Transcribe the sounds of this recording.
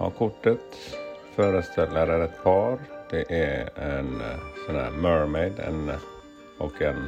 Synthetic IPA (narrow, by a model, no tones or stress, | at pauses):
ɑ̰kʰʊʈːət̪ | fœːɾəst̪ʰɛlːəɾæɾɛt̪pʰɑːɾd̪̥ɛʔæɛnsɛnæ̰ɾmœːɹmɛɪd̪ɛ̰n | ʔɔkɛn